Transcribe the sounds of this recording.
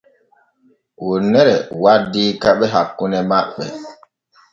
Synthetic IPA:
wonːɛɾɛwadiːkaɓɛɦakːunɛmaɓɛ̰

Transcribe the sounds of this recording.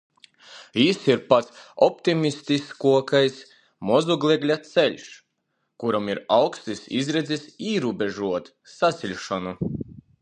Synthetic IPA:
jisiɾpat̪sɔpt̪imʲist̪iskuɔkajs | mɔzuɡlʲˠɛɡlʲat̪sɛlʲʃ | kuɾamiɾawkst̪isḭzɾɛd̪zʲisiːɾubʲeʒuɔt̪ | sat̪sʲilʲʃɔnu

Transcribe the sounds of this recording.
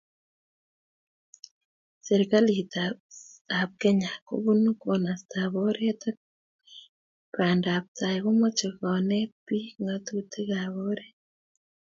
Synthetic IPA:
seɾikalita | aβkeɲako̰βunukonasi̥taβoɾeta | βaːndaβutaiɣomot͡ʃeɣanepiŋɡatutiɣaβoɾe

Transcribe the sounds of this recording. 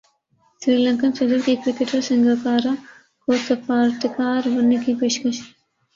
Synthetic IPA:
sɾiːlɐ̃ŋkansɐd̪əɾkikɾɪkeʈɐɾsɪŋɡakaːɾa | koːsɐfaːɾt̪ɪkaːɾʋɐnːekipeːʃkɐʃ

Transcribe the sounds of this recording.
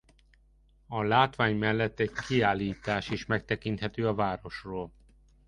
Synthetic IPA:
ɒlaːt̪ʋaːɲmɛlːɛt̪ːɛɟkiaːlːiːt̪aːʃiʃmɛk̚t̪ɛkint̪hɛt̪øːɒvaːɾo̞ʃroːl

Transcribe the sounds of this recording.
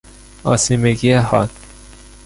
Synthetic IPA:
ɒ̰ːsimeɡieɦɒ̰d̪

